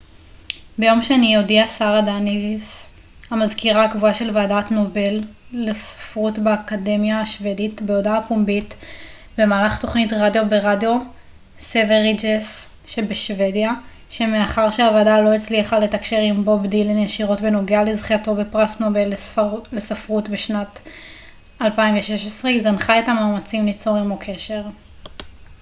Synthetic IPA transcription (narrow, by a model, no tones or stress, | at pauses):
be̞jo̞mʃeanijodiasaʁadanivis | hamazkiʁakvuaʃe̞lvaːdatno̞be̞lːesḁfʁutbeakade̞mjaːʃve̞ditbeodaapumbit | be̞maːlaχto̞χnitʁadjo̞be̞ʁadjo̞ | seveʁid͡ʒes | ʃebeʃve̞dja | ʃe̞meaχaʁʃeavadalo̞et͡sliaχale̞takʃe̞ʁimbo̞bdilenjeʃiʁo̞tbe̞no̞ɡealezχiato̞be̞pʁasnobe̞llesafʁutbeʃnat | alpainɱveʃeʃesʁeizanχaetamaːmat͡simlit͡so̞ʁimokʰe̞ʃe̞ʁ